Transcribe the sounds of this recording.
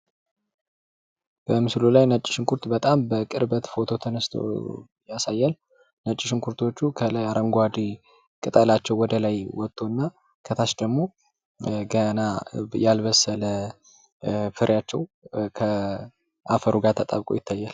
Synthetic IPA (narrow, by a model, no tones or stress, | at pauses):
b̥əmɨslulajnət͡ʃʼːɪ̥ʃɪŋkʰuɾt̪bət̪ʼambəkʼɨɾbət̪fo̞t̪ʰo̞t̪ʰənəst̪ʰo̰ | jasajːal | nət͡ʃʼːɪʃɪŋkʰuɾt̪ʰot͡ʃːukʰəlaɾʔəŋɡʷad̪i | kʼɨt̪ʼəlat͡ʃːɛwːɔd̪əlajwɔt̪ʼːo̞nːa | kʰət̪ʰaʃd̪əɡmo̞ | ɡənajalβəsːələ | fɨɾʔjat͡ʃːɛw | kʰə | ʔafəɾuɡat̪ʰət̪ʼa̰βkʼo̰jɪt̪ʰːajːal